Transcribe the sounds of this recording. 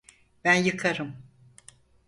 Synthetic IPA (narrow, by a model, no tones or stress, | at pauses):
bænjɯkʰaɾɯm